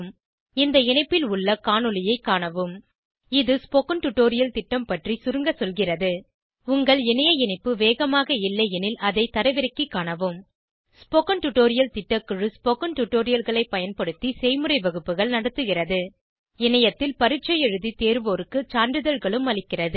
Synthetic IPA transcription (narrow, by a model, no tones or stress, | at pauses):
m | ɪnd̪ɐɪnɐɪpːɪlʊɭːɐkaːɳɯlɪjɐɪkːaːɳɐʋɯm | ɪðɯspɔkɐnʈʊʈːoːɾɪjɐlt̪ɪʈːɐmpɐʈrisʊɾɯŋɡɐsɔlɣɪrɐðɯ | ʊŋɡɐɭɛnɐjɐɪnɐɪpːɯʋeːɣɐmaːɣɐɪlːɐjɛnɪlɐðɐɪt̪ːɐɾɐʋɪɾɐkːikːaːɳɐʋɯm | spɔkɐnʈʊʈːoːɾɪjɐlt̪ɪʈːɐkːɯɻɯspɔkɐnʈʊʈːoːɾɪjɐlɣɐɭɐɪpːɐjɐnpɐɽɯt̪ːisɛɪmɯrɐɪʋɐɣɯpːɯɣɐɭnɐɽɐt̪ːɯɣɪrɐðɯ | ɛnɐjɐt̪ːɪlpɐɾɪt͡ʃːɐjɛɻɯðit̪eːɾʋoːɾɯkːɯt͡ʃaːɳɖɯðɐɻɣɐɭɯmɐɭɪkːɪrɐðɯ